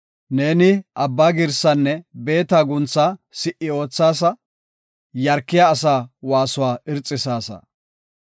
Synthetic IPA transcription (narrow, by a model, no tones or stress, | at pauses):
ne̞ːnɪʔɐbːaːɡɪɾsɐnːɛbe̞ːt̪aːɡʊnt͡sːaːsɪʔːɪo̞ːt͡sːaːs̬ɐ | jɐɾkːɪjaːsaːwaːsʊwaːɪɾt͡sʼːɪsaːsɐ̰